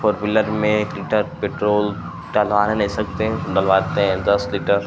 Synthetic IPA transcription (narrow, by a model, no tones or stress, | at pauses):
fʰoːɾbɪləɾmẽkliʈəɾpeːʈɾoːl | ʈaːlʋaːnɦẽnɐĩsɐk̚t̪ẽd̪əlʋaːt̪eɦd̪ɐsliʈəɾ